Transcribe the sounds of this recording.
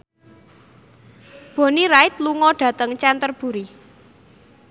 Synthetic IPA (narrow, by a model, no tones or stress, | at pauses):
b̥o̤niɾaɪt̪luŋɔɖ̥ä̤t̪əŋt͡ʃɛnt̪ərb̥ṳɾi